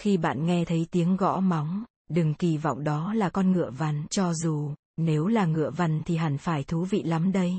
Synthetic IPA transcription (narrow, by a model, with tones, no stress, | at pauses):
xi˧ɓa̰ː˧˨nŋɛ˧t̪ʰə˨˦jt̪i˨˦əŋɣɔ̰˧˥ma˨˦wŋ͡m | ɗɨ˨˩ŋki˧˩vɔ̰˧˨wŋ͡mɗɔ˨˦laː˨˩kɔ˧nŋɨ̰˧˨əva˧˩nt͡ɕɔ˧zu˨˩ | ne˨˦wlaː˨˩ŋɨ̰˧˨əva˧˩nt̪ʰi˨˩ɦa˧˩nfaː˧˩jt̪ʰu˨˦vḭ˧˨la˨˦mɗə˧j